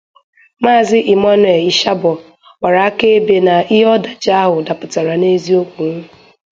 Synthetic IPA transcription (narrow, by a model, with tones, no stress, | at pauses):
maː˦˨zɪ˦ʔi˨ma˦n˦˨e˨i˨ʃa˦bɔ˨ | wʷa˨ɾa˨a˦ke˦e˦be˨na˨ɪ˦ɦɔ˦da˨d͡ʒa˦a˦ɦʊ˨da˨pʊ˨ta˨ɾa˨ne˦zi˦o˦kʷu˨ŋ̩˦